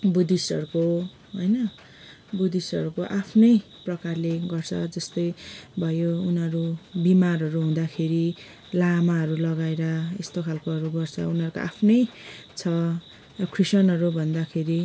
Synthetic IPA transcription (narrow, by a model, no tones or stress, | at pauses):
bud̪isʌ̰ɾuko | ɦojnʌ | bud̪isʌ̰ɾukoʔapʰnʌj | prʌkarleɡʌrt͡sʰʌ̰d͡zʌst̪ʌjbʱʌjounɦʌɾubimarɦʌɾuɦũd̪akʰeɾi | lamaɦʌɾulʌɡaeɾʌḛst̪okʰalkoɦʌɾuɡʌrt͡sʰʌ̰unɦʌɾuko̰ʔa̰pʰnʌjt͡sʰʌ | ʌkʰrisʌnʌɾubʱʌnd̪akʰeɾi